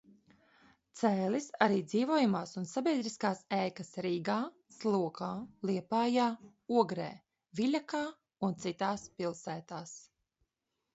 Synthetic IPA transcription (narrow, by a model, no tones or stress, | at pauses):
t̪sɛːlisaɾiːd̪ziːvuɔjumaːsunsabʲiɛd̪ɾiskaːsɛːkasɾiːɡaː | slˠuɔkaːlˠiɛpaːjaː | uɔɡɾḛː | vilʲakaː | unt̪sit̪aːspilˠsæːt̪aːs